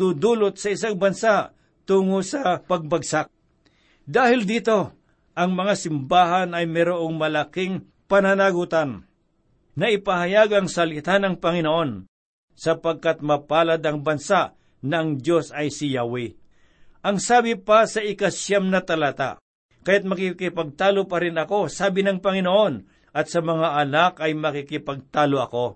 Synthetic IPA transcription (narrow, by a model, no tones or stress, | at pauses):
d̪ud̪uːlot̪̚sɐɪs̬aŋbɐnsaʔ | t̪uːŋosɐpɐɡ̚bɐɡsak̚ | d̪aːhɪld̪iːt̪o̞ | ʔɐŋmɐŋasɪmbaːɦanɐjmɛɾoʔoŋmɐlakɪŋ | pɐnanaɡut̪an | nɐʔɪpahɐjaɡɐŋsɐlɪt̪anɐŋpɐŋɪnoʔo̞n | sɐpɐɡ̚kat̪̚mɐpaːlɐd̪ɐŋbɐnsaʔ | nɐʔɐŋd̪jo̞sɐjsɪjawi | ʔɐŋsaːbɪpɐsɐʔɪkasjamnɐt̪ɐlat̪a̰ʔ | kɐjat̪̚mɐkɪkɪpɐɡ̚t̪aːlopɐɾɪnɐko̞saːbɪnɐŋpɐŋɪnoʔo̞n | ʔɐt̪̚sɐmɐŋaʔɐnakɐjmɐkɪkɪpɐɡ̚t̪aːloʔɐko̞